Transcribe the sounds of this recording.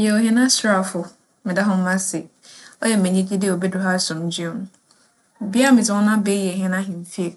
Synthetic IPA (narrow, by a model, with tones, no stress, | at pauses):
jɛ˨o˨ɦɛ̃˦nã˦sɾa˨fʊ˨ | mɪ̃˨da˦ɦʊ̃˦m̩˦mã˦sɪ˨ | ɔ˦jɛ˨mɛ̃˨ɲĩ˦d͡ʑi˦di˦˨o˨bɛ˦dʊ˨˦ɦa˦sʊ̃˨m˦d͡ʑɥõ˨ñ̩˨˦˨ | bi˦a˦mɪ̃˨d͡zɪ˨˦ɔ̃˦nã˦be˦jɛ˨ɦɪ̃˦nã˦ɦɪ̃˨m̩˨fi˦e˨